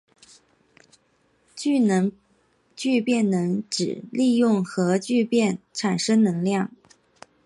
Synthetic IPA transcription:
t͡ɕy˥˩nə˧˥ŋ | t͡ɕy˥˧pjɛ˥˩nnɤ˧˥ŋʈ͡ʂɻ̩˨˩li˥˧jʊ˥˩ŋxɤ˧˥t͡ɕy˥˧pjɛ˥˩nʈ͡ʂʰa˨˩nʂɤ˥ŋnɤ˧˥ŋljɑ˥˩ŋ

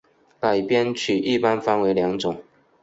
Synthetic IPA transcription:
ka˨˩ɪpjɛ˥˦nt͡ɕʰy˨˩ʔi˥˨pa˦nfa˧˦nwe˧˥ɪljɑ˧˥ŋt͡sʊ˨˩˦ŋ

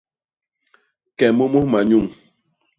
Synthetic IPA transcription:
kɛ˨mo˦mo˦hma˨ɲu˦˨ŋ

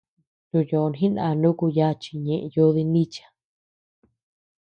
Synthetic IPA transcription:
t̪u˧jo˨˧n˨ĩ˦nã˧˨˧nũ˦ku˧ja˦t͡ʃi̥˧ɲẽ˧˨ʔjo˧˦ði˧nĩ˦t͡ʃḁ˧

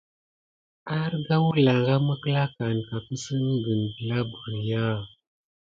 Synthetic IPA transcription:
a˦ɾɡa˦wu˦la˨ɣa˦mə˦kə˦la˦ka˨n˨ka˨kə˦sə˦mə˦ɡə˨nbə˨la˦bu˨ɾja˦

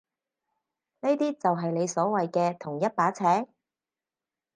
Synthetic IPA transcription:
ne˥jt̪iː˥t͡sɐ˨wɦɐ˨jle˨˧jsɔː˨˥wɐ˨jkɛː˧t̪ʰʊ˨˩ŋjɐ˥t̚paː˨˥t͡sʰɛː˨˥

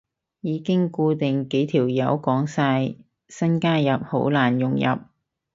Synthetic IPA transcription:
jiː˨˧kɪ˥ŋkuː˧t̪ɪ˨ŋke˨˥jt̪ʰiː˨˩wjɐ˨˧˥wkɔː˨˥ŋsaː˧j | sɐ˥nkaː˥jɐ˨p̚ho˨˥wlaː˨˩njʊ˨˩ŋjɐ̰˨˩p̚

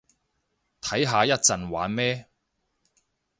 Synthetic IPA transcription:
t̪ʰɐ˨˥jɦaː˧jɐ˥t̚t͡sɐ˨nwaː˨˧˥nmɛː˥

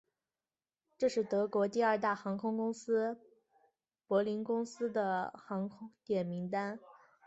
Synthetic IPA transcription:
ʈ͡ʂɤ˥˧ʂɻ̩˥˩t̪ɤ˧˥kwɔ˧˥t̪i˥˧ɐ˞˥˧t̪a˥˩xɑ˧˥ŋkʰʊ˥ŋkʊ˥ŋsɹ̩˥ | pwɔ˧˥li˧˥nkʊ˥ŋsɹ̩˥d̪ə˨xɑ˧˥ŋkʰʊ˥ŋt̪jɛ˨˩nmi˧˥ŋt̪a˥n

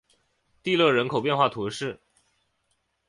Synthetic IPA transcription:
t̪i˥˧lɤ˥˩ɻə˧˥nkʰo˨˩ʊpjɛ˥˧nxwa˥˩t̪ʰu˧˥ʂɻ̩˥˩

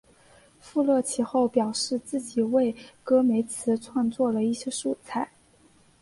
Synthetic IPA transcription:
fu˥˧lɤ˥˩t͡ɕʰi˧˥xo˥˩ʊpjɑ˨˩ʊʂɻ̩˥˧t͡sɹ̩˥˩t͡ɕi˨˩we˥˩ɪkɤ˥me˧˥ɪt͡sʰɹ̩˧˥ʈ͡ʂʰwɑ˥˧ŋt͡swɔ˥˩lə˩i˥˩ɕjɛ˥ʂu˥˧t͡sʰa˥˩ɪ

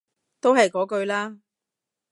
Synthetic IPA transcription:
t̪o˥wɦɐ˨jkɔː˨˥kɵ˧ɥlaː˥

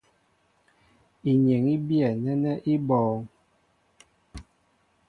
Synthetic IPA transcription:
i˨ɲe˨ŋi˦bjɛ˨nɛ˦nɛ˦ʔi˦bɔː˨ŋ

